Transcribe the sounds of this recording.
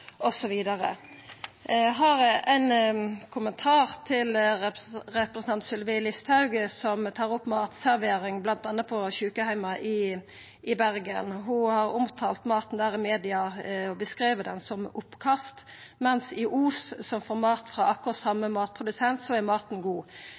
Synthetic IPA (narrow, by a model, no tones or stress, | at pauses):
ʔɔsɔʋiːd̪ɑʁə̰ | ɦɑʁɛʔæɪnkʰʊmənt̪ʰɑːʁt̪ʰɪl | ʁɛpʁəsn̩ʰɑnt̪sʏlʋɪːlɪst̪ʰɑʉɡəsɔmt̪ʰɑːʁʊpːmɑːt̪sæʁʋeːʁɪŋblɑnt̪ɑnːəpʰɔçʉːkəhæɪmɑʔɪ | ɪbæʁɡə̰nɦʊhɑɾʊmt̪ʰɑːlt̪mɑːt̪n̩d̪æːʁɪmeːd̪ɪɑɔbəskʁiːʋəd̪ɛnsɔmʊpːkʰɑst̪ | mɛnsɪʔuːssɔmfoːɾmɑːt̪fʁɑʔɑkːʊʁsɑmːəmɑːt̪̚pʰʁʊd̪ʉsɛnt̪sɔæʁmɑːt̪n̩ɡuː